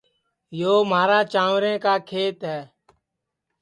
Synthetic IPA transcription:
joːmaːɾaːt͡ʃaːʋɾẽːkaːkʰeːt̪ɦɛː

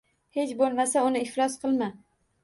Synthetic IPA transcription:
he̞t͡ʃbolˠmasaʊnɪɪflɒsqʰɨlˠma

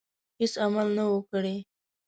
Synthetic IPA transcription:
hɪsamalnawokɽe

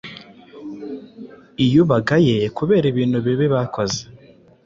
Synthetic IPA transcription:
ijuβaɡajekuβe̞ːɾiβiːn̥huβiβeβakoze̥

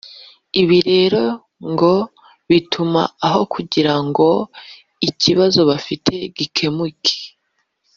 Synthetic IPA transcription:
iβiɾe̞ːɾo̞ | ŋɡo̞ | βitʰuma̰ːɦo̞kuɟiɾaŋɡo̞ | iciβazo̞βafitʰe̞ɡikʰe̞mukʰe̥

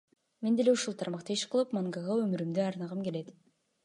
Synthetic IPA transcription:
me̞nd̪e̞lʲeuʃulˠt̪ʰɑɾmɑqt̪ɯiʃqʰɯlˠɯpmaŋɡɑʁɑømyɾymd̪øɑɾnɑʁɯmke̞le̞t̪

